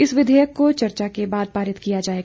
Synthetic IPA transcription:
ɪsʋɪd̪ʱɛːjəkːot͡ʃɐɾt͡ʃakebaːd̪̚paːɾɪt̪kijad͡ʒaːeːɡ

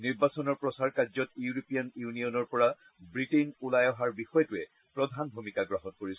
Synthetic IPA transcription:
niɹbasɔnɔɹpɹɔsaɹkazɔtjuɹopijanjuniɔnɔɹpɔɹa | bɹitinulajɔɦaɹbixɔjɔtuɛ | pɹɔdʱanbʱumikaɡɹaɦɔnkoɹis

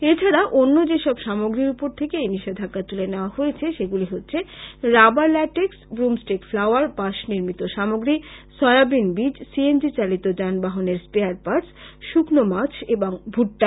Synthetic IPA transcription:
et͡ɕʰaɾaʔonːod͡ʑeʃɔbʃamoɡɾiɾupoɾt̪ʰekeejniʃed̪ʱakːat̪uleneoahojet͡ɕʰeʃeɡuliɦotːɕʰeɾabaɾlɛʈeksbɾumsʈɾekflawaɾbaʃniɾmit̪oʃamoɡɾisɔeabinbid͡ʑsiend͡ʑit͡ɕalit̪od͡ʑanbaɦoneɾspeaɾpaʈsʃuknomat͡ɕʰeboŋbʱuʈːa

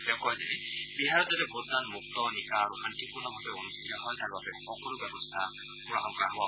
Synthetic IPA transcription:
bɛkɔazinɛ | biɦaɹɔzatɛbotdanmuk̚tɔnikaːɹuxantipuɹnɔbʱabɛonustʰitɔɦɔjtaɹbabɛxɔkɔlʊbjɔbɔstʰa | mʊɹa̰ɦɔŋkaɦɔa

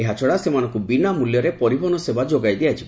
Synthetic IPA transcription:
eɦat͡ʃʰɔɽasemanɔŋkubinamuljɔɾepɔɾibɔnɔsebad͡ʒoɡajd̪ejat͡ʃʰibe

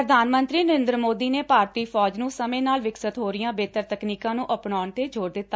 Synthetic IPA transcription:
ɾəd̪ʱaːnmənt̪ɾiːnəɾẽːnd̪ɾəmoːd̪iːneːpaːɾt̪iːpʰɔːd͡ʒnũːsəmẽːnaːlʋɪksət̪ɦoːɾɪjãːbeːt̪əɾt̪əkniːkãːnũːʔəpnɔːɳt̪eːd͡ʒoːɾd̪ɪt̪ːaː

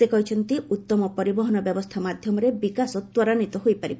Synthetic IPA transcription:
ekɔɦit͡ʃʰɔnt̪iʔut̪ːɔmɔpɔɾibɔɦɔnɔbjɔbɔst̪ʰamad̪ʱjɔmɔɾebikasɔt̪wɔɾanit̪ɔɦojpaɾib

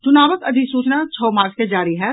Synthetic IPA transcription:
t͡ʃʊnaːʋəkɐd̪ʱiksuːt͡ʃnat͡ʃʰɔːmaːɾt͡ʃked͡ʒaːɾiɦɛ

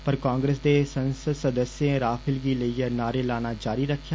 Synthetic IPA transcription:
pəɾkãːŋɡɾeːsd̪eːsənsəsəd̪əsjẽːɾaːpʰɪlɡiːləiːənaːɾeːlaːnaːd͡ʒaːɾiːɾəkʰːjaː

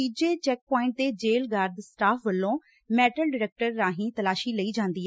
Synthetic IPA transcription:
iːd͡ʒeːt͡ʃɛːk̚pɔːɪ̃ɳʈ̚d̪eːd͡ʒeːlɡaːɾd̪sʈaːpʰʋəlːõː | mɛːʈəlɖɪɾɛːk̚ʈəɾːãːɦĩːt̪əlaːʃiːləiːd͡ʒãːnd̪iːɛ

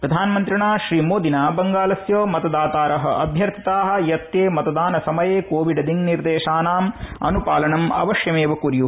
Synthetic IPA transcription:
pɾɐd̪ʱaːnɐmɐnt̪ɾiɳaːʃɾiːmoːd̪ʱinaːbɐŋɡaːlɐsjɐːmɐt̪ɐd̪aːt̪aːɾɐɦɐ̆ʔɐbʱjɐɾt̪ʰi̥t̪aːɦɐ̆jɐt̪ːjeːmɐt̪ɐd̪aːnɐsɐmɐjeːkoːʋiɖɐd̪iŋniɾd̪eːʃaːnaːmɐ̰nupaːlɐɳɐmɐ̰ʋɐʃjɐmeːʋɐkuɾju

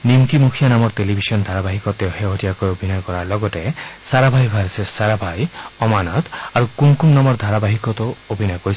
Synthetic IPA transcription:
nimkimukʰijanamɔɹtelibʱisɔnd̪ʱaɾabaɦikɔt̪eɦeɦotiakojobʱinɔjkɔɾaɹlɔɡɔtesaɾabʱajbʱaɾsesaɾabʱajɔmanɔt̪aɹukumkumnamɔɹd̪ʱaɾabaɦikɔt̪ɔobʱinɔjkoɾis

